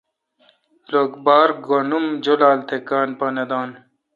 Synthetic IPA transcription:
loːkbaːɾɡonumd͡ʑolaːlt̪ʰekaːnpanɐd̪aːn

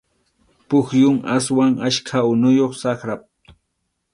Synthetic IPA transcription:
pʊxjʊŋaswaŋaʃkʰaʊnʊjoχsaχɾap̚

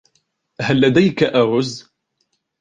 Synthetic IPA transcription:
halːad̪ajkaʔaɾʊz

